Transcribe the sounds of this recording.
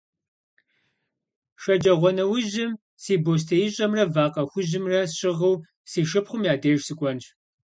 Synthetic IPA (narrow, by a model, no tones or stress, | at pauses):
ʂɐd͡ʒʼɐʁʷɔnɐwʊʒɪm | siːboːs̬tʰɐjɪɕʼɐmrɐvaːqʼɐxʷʊʑɪmrɐɕɪʁəw | siːʃɨpχʷʊmjaːdeːʒsɨkʷʼɔnʃ